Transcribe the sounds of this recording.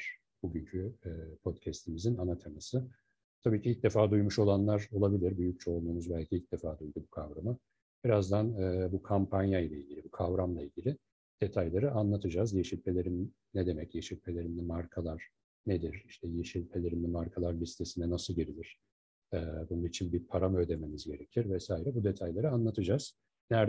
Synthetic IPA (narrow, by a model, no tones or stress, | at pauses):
ɾ̥ | buɟyɲcʰyɛːpʰo̞t̪cʰɛst̪ʰimizinanat̪ʰamasɯ | t̪ʰabiːcʰiilʲc̚d̪e̞faːd̪ujmuʃo̞lˠanlˠaɾo̞lˠabilʲiɾbyjyc̚t͡ʃʰo̞lˠd̪uːmuzbælʲcʰiilʲc̚ʲd̪efaːd̪ujd̪ubukʰavɾamɯ | b̥iɾazd̪anɛːbukʰampʰanjajlʲˠailʲɟilʲibukʰavɾamlˠailʲɟilʲɪ | d̪̥et̪ʰajlʲˠaɾɯanlˠat̪ʰɯd͡ʒazjeʃilʲpʰe̞lʲe̞ɾinː | ed̪e̞mɛcjeʃilʲpʰe̞lʲe̞ɾimlɛmaɾkʰalˠaɾ̥ | ned̪iɾiʃt̪ʰɛjeʃilʲpʰe̞lʲe̞ɾimlʲɛmaɾkʰalˠaɾbist̪ʰesinɛnasɯlˠɟeɾilʲiɾ̥ | ɛːbununit͡ʃʰinʲbiɾpʰaɾamød̪e̞me̞mizɟe̞ɾecʰiɾvɛsaːiɾɛbud̪e̞t̪ʰajlʲˠeɾɯanlˠat̪ʰɯd͡ʒaz̥ | næɾ